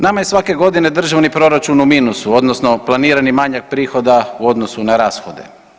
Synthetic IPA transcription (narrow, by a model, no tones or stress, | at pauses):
namajesʋake̞ɡo̞d̪ine̞d̪r̩ʒaʋnipɾo̞ɾat͡ʃunumiːnusuo̞d̪nosno̞plˠaniːɾanimaɲak̚pɾiːxo̞d̪auo̞d̪nosunaɾaːsxo̞d̪e̞̰